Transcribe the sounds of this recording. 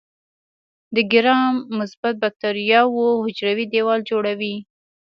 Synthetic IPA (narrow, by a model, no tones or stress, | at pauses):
d̪əɡɪɾɑmːʊsbat̪̚bak̚t̪aɾijɑwohʊd͡ʒɾawid̪ewɑld͡ʒoɽawi